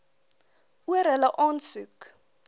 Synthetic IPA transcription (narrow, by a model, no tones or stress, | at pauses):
uərɦələʔɑːnsuk